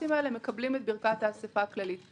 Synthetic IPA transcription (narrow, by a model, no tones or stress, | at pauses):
imaeleme̞kablimet̪̚biʁkat̪aːsefaklalit